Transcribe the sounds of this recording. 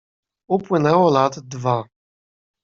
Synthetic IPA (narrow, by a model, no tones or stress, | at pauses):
upwɘnɛwɔlat̪d̪va